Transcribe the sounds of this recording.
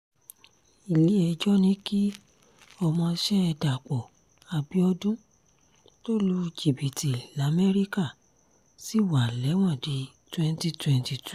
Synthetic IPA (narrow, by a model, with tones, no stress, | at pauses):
i˨li˨˦ɛ˧d͡ʒɔ˦nĩ˨˦ki˦ | ɔ˧mɔ̃˧ʃɛ˦ɛ˧da˨k͡pɔ˨ | a˨bi˨˦ɔ˧dũ˦ | to˦lu˧i˧d͡ʒi˦˨bi˨ti˨la˨˦mɛ˦ɾi˦ka˦˨ | si˦˨wa˨lɛ˨˦w̃ɔ̃˦˨di˨˦ | twɛ̃˧n˦ti˦˧twɛ̃˧nti˧˨tu˦